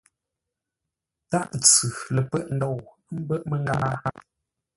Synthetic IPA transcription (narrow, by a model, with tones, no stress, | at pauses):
ta˦ʔt͡sʉ˨lə˨pɛ˦˨ʔn̩˨dɔ˦˨w | m̩˦bə˦˨ʔmə˦ŋ˦ɡa˦a˦